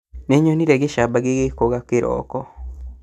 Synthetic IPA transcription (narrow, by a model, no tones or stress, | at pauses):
neɲoniɾeɡeʃabaɡeɣekoɣakeɾɔ̰ːkɔ